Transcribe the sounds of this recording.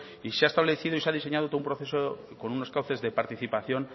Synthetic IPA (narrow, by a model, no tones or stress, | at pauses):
iseaest̪aβleθiðoiseað̞ise̞ɲað̞ot̪oumpɾoθeso | ko̞nuno̞skawθe̞zðe̞paɾt̪iθipaθjo̞n